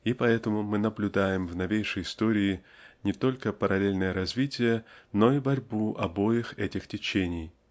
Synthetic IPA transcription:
ipɐɛt̪əmʊmɨnəblʲʊd̪ajɪmvnɐvʲejʂəjɪst̪oɾʲɪː | nʲɪt̪o̞lʲkəpəɾʔɐlʲelʲnəjəɾɐzvʲitʲɪjəno̞ibɐɾʲbuʔɐbo̞jɪxɛtʲɪxtʲɪt͡ɕenʲɪj

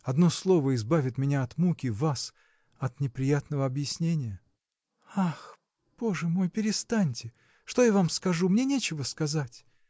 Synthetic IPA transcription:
ɐd̪no̞slˠo̞vəɪzbavʲɪt̪mʲɪnʲaɐt̪mukʲɪvas | ɐt̪nʲɪpɾʲɪjat̪nəvəɐbjɪsʲnʲenʲɪjə | ax | b̥o̞ʐɨmo̞jpʲɪɾʲɪst̪anʲtʲɪ | ʂt̪ojavamskɐʐumnʲe̞nʲet͡ɕɪvəskɐzatʲ

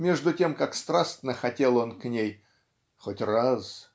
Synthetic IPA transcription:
mʲe̞ʐd̪ʊtʲe̞mkakst̪ɾast̪nəxɐtʲe̞lˠo̞nknʲej | xotʲraz

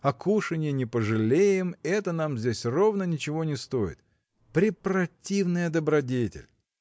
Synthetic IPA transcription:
ɐkʰuʂɨnʲɪjɪnʲɪpəʐɨlʲejɪmɛt̪ənamzʲdʲesʲro̞vnənʲɪt͡ɕɪvo̞nʲɪst̪o̞jɪ̰t̪ | pɾʲɪpɾɐtʲivnɨjəd̪əbɾɐdʲetʲɪ̰lʲ

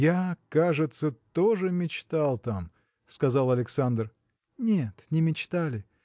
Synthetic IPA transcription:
jakaʐɨt̪sət̪oʐɨmʲɪt͡ɕt̪alˠt̪am | skɐzɑlˠɐlʲɪksand̪r | nʲet̪nʲɪmʲɪt͡ɕt̪alʲɪ

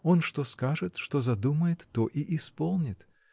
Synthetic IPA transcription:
o̞nʂt̪oskaʐɨt̪ʂt̪ozɐd̪uməjɪt̪ːoʔiʔɪspolˠnʲɪt̪

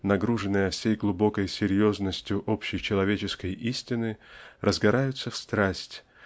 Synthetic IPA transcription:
nɐɡɾuʐɨnːɨjəfsʲejɡlˠʊbo̞kəjsʲɪɾʲjo̞znəsʲtʲjʊʔo̞pɕːɪjt͡ɕɪlˠɐvʲet͡ɕɪskəjʔisʲtʲɪnɨrʔəzɡɐɾajʊt̪səfst̪ɾasʲtʲ

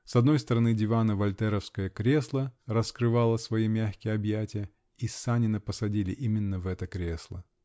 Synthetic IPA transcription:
sɐd̪nojst̪əɾɐnɨdʲɪvanəvɐlʲt̪ɛɾəfskəjəkɾʲe̞slˠərəskɾɨvalˠəsvɐjimʲæxkʲɪjəɐbjætʲɪjə | isanʲɪnəpəsɐdʲilʲɪʔimʲɪnːəvɛt̪əkɾʲe̞slˠə̰

